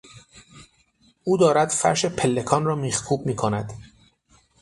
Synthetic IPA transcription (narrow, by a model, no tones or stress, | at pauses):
ʔuːd̪ɒːɾæd̪̥fæ̰ɾʃepʰelːe̞kʰɒːnrɒːmiːxkʰuːb̚miːkʰonæd̪̥